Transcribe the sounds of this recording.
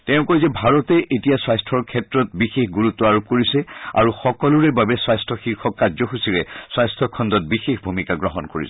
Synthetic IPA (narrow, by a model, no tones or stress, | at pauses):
tɛʊ̃kɔjzɛbʱaɹɔtɛʔetijaswajstʰɔɹkʰɛtɹɔt̚bixexɡuɹutːɔaɹop̚koɹisɛa̰ɹuxɔkɔlʊɹɛbabɛswajstʰɔxiɹxʰɔkːadzɔxusiɹɛswajstʰɔkʰɔndɔt̚bixexbʱumikaɡɹɔɦɔnkoɹḭsɛ